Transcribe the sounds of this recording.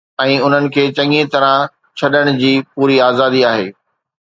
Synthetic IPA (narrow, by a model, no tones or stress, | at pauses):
ɛ̃ːʊn̤ənɪ̆kʰeːt͡ɕɐ̃ŋẽt̪ɐɾã | t͡ɕʰɐɗəɽ̃ʊd͡ʑiːpuːɾiaːzaːd̪iaːɦḛː